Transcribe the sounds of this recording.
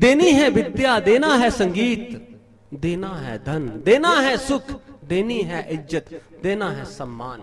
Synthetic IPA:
d̪eːniːɦɛːbɪt̪ːjaːd̪eːnãːɦɛːsəŋɡiːt̪ | d̪eːnaːɦɛ̰ːd̪ʱənd̪eːnaːɦɛːsʊkʰd̪eːniːɦɛːʔɪzət̪d̪eːnãːɦɛːsəmːa̰ːn

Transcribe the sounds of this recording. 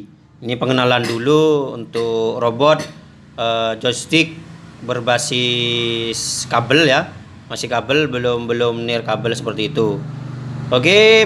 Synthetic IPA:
inipəŋənalanduluunt̪ʊkrobɔt̪̚ | əd͡ʒɔst̪ɪk̚bərbasi | skabəlja | masihkabəlbəlʊmbəlʊmnɪrkabəlsəpərt̪iːt̪u | oke

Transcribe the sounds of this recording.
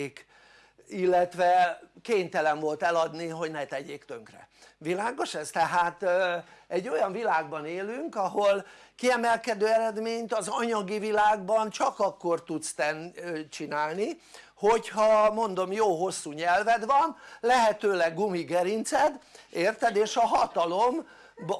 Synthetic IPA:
k | ilːɛt̪ʋɛkeːɲt̪ɛlɛɱvo̞lt̪ɛlɒd̪niɦo̞ɟnɛt̪ɛɟeːkt̪øŋkrɛ̰vilaːɡo̞ʃɛst̪ɛɦaːt̪ | ɛɟːo̞jɒɱvilaːɡ̚bɒneːlyŋkɒɦo̞lkiɛmɛlkɛd̪øːɛɾɛd̪meːɲt̪ɒzɒɲɒɡivilaːɡbɒnt͡ʃɒkɒkːo̞rt̪ut̪st̪ɛnt͡ʃinaːlni | ho̞chɒmo̞nd̪o̞mjoːɦo̞sːuːɲɛlvɛd̪ʋɒnlɛɦɛt̪øːlɛɡːumiɡɛɾint̪sɛd̪eːrt̪ɛd̪eːʃɒɦɒt̪ɒlo̞m | b

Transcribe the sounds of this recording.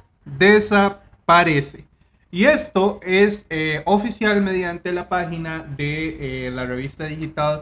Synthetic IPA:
d̪esa | paɾese | ie̞st̪o̞e̞seofisjalme̞ðjant̪e̞lapaxinaðelare̞βist̪aðixit̪al

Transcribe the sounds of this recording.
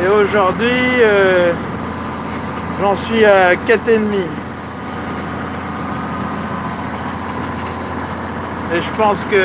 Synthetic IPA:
eoʒuʁd̪ɥiø | ʒɑ̃sɥiakat̪enmi | eʒəpɑ̃skə

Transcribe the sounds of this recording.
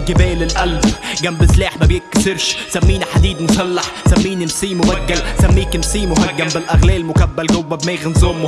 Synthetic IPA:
ɡɪbɛːlɪlʔælbɡæmbɪsleːħmæbjɪkːsɪɾʃsæmːiːniħad̪iːd̪nsɑlːɑħsæmːiːninsiːmʊwaæɡːalsæmːiːknsiːmʊɦaɡːæmbɪlʔæɣlɛːlmʊkæbːælɡʊwːæbmeːɣɪnzʊmː

